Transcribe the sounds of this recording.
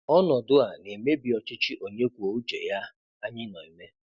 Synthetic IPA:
ɔ˦nɔ˨dʊ˦a˨ne˨me˦bi˨ɔ˨t͡ʃɪ˦t͡ʃɪ˦ʔo˨ɲe˦kʷu˨o˨u˦d͡ʒḛ˨ja˦ | a˦ɲɪ˦nɔ˨i˨me˦

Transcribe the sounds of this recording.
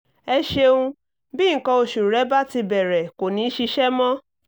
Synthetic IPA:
ɛ˧ʃe˧ũ˧ | bĩ˦˨˦kɔ̃˧o˧ʃu˨ɾɛ˨˦ba˦ti˧bɛ˨ɾɛ˨ko˨nĩ˨˦ʃi˧ʃɛ˦mɔ̃˦

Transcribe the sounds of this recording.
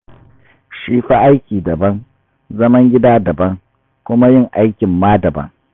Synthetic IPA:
ʃiː˦ɸa˦ʔa˦jkʲiː˨dɐ˨bɐ˦ŋ | zɐ˦mɐ˦ŋɡʲɪ˦daː˦dɐ˨bɐ˦ŋ | kʷʊ˦ma˦jɪ˦˨ŋʔa˦jkʲɪ˨mːaː˦dɐ˨bɐ̰˦ŋ

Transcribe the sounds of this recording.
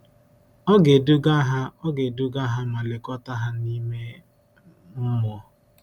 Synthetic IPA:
ɔ˦ɡe˨du˦ɡa˦ɦa˦ɔ˦ɡe˨du˦ɡa˦ɦa˦ma˨lɪ˨kɔ˦ta˦ɦa˦ni˦me˦ | m̩˦mɔ˦

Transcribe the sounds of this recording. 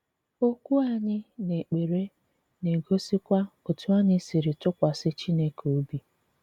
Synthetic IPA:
o˦kʷu˦a˦˨ɲɪ˦ne˨k͡pe˨ɾe˦ | ne˨ɡo˦si˦kʷa˦o˨tu˦a˦ɲɪ˦si˨ɾɪ˨tʊ˦kʷa˨sɪ˦t͡ʃi˦ne˦kʰo˨˦bi˦

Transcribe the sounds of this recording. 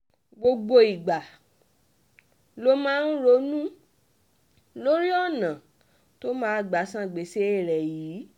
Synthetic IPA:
ɡ͡bo˧ɡ͡bo˧i˨ɡ͡ba˨ | lo˧˦mãː˦˧˦n̩˦ɾo˧˦nũ˦ | lo˦ɾi˦ɔ˦˨nã˨ | to˦mãː˦˨ɡ͡ba˨˦sã˦˨ɡ͡be˨˦se˦e˦˨ɾɛ˨jiː˨˦

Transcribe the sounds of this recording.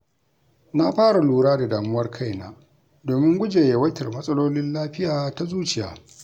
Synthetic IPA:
na˦ɸaː˦ɽa˨luː˦ɽaː˦da˨daː˨mʊ˦wɐ˦rkʰa˦˨jnaː˦ | doː˨mɪ˦ŋɡʷʊ˦d͡ʒeː˨je˨wɐ˦tɪ˨rmɐ˦sʼɐ˦loː˦lɪ˦nlaː˦ɸɪ˦jaː˨ta˦zuː˦t͡ʃɪ˦ja̰ː˨

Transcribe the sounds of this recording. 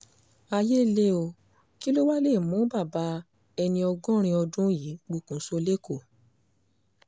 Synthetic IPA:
a˧je˦le˦o˧ | ki˦lo˦wa˦le˦˨mũ˨˦ba˦˨ba˨˦ | ɛ˧nĩ˧ɔ˧ɡɔ̃˦ɾ̃ĩ˧ɔ˧dũ˦ji˨˦ɡ͡bu˧˨kũ˨˦so˧le˦ko˦˨

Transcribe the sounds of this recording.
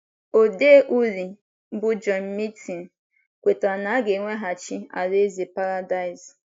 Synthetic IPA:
o˨de˦ʔu˦li˨ | m̩˦bʊ˦d͡ʒɔ˨m̩˨˦mi˦tʰi˨n̩˨ | kʷe˨ta˨na˨a˦ɡe˨ŋʷe˦ɦa˨t͡ʃi˦a̰˨ɾe˦zi˨pa˦ɾa˦da˦ɪ˨z

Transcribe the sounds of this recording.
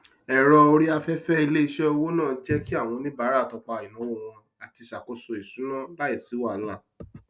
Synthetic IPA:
ɛ˦˨ɾɔ˧o˧ɾi˦a˧fɛ˦fɛ˦i˧le˦i˧ʃɛ˦o˧wo˦nãː˦˨n̩˦d͡ʒɛ˦ki˦a˦˨w̃ɔ̃˧nĩ˦ba˨˦ɾa˦˨tɔ˧k͡pa˧˨i˨nũ˨˦wo˦˨w̃ɔ̃˧ | a˨ti˧ʃa˨ko˧so˧e˨sũ˨˦nã˦˨ba˦ɛ˦˨si˨˦wa˦˨n̩˦la˦˨

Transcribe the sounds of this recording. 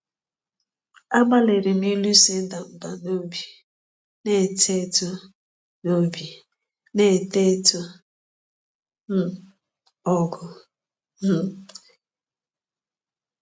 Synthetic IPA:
a˦ɡ͡ba˦le˨ɾɪ˨m˦i˦lu˦se˦n̩˦da˨m̩˨ba˨no˦bi˨ | ne˦˨te˦tu˦ | no˦bi˨ | ne˦˨te˦tu˦ | m̩˨ | ɔ˦ɡʊ˨ | m̩˦

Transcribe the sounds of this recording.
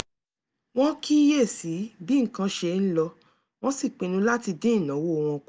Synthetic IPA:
w̃ɔ̃˦ki˦je˦˨si˨˦bi˦ŋ̩˨kã˧ʃe˧n̩˦lɔ˧ | w̃ɔ̃˦si˦˨k͡pĩ˨nũ˧˦la˦ti˧dĩ˦˨nã˨˦wo˦o˨w̃ɔ̃˧k

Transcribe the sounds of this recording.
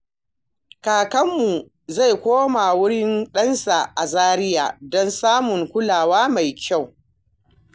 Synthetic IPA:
kaː˨kɐ˦mːu˨ | za˦˨jkʷoː˦ma˨wʊ˦ɽɪ˦nɗɐ˦nsa˨ʔa˨zaː˦ɾɪ˦jaː˨dɔ˦nsaː˦mʊ˨ŋkʷʊ˦laː˨waː˦ma˨jkʲa˦˨w

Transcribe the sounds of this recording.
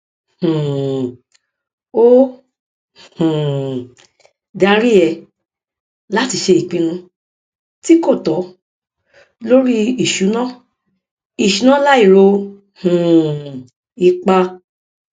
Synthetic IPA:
hũ˨ | o˦ | hũ˨ | da˧ɾi˦ɛ˧ | la˦ti˧ʃe˧i˨k͡pĩ˧ɾ̃ũ˧ | ti˦ko˦˨tɔ˨˦ | lo˦ɾi˦i˨ʃu˨˦nãː˦ | i˨ʃu˨˦nã˦la˦i˦˨ɾo˧ | hũ˨ | i˧k͡pa˧

